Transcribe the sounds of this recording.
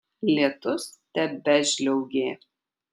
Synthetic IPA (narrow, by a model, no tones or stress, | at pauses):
lʲiɛt̪ʊst̪ʲɛbʲɛʒʲlʲɛʊɡʲeː